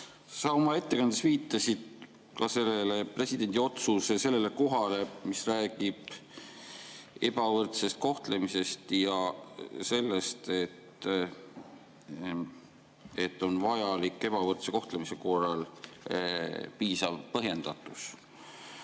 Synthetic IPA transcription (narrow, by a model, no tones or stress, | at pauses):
sɑomɑe̞t̪ːe̞kɑnd̪̥esviːt̪ːˑɑsid̪̥ | kɑse̞lːele̞pre̞sʲid̪̥e̞nd̪io̞t̪susese̞lːe̞le̞ko̞ɦɑle̞misræːɡ̥ib̥ | e̞bɑvɤrt̪se̞st̪̚ko̞ht̪le̞mise̞st̪jɑse̞lːe̞st̪e̞t̪ | e̞t̪ːo̞nvɑjɑlikːˑe̞b̥ɑvɤrt̪se̞ko̞ht̪lemise̞ko̞rːɑl | piːsɑvpɤɦje̞nd̪̥ɑt̪ːˑus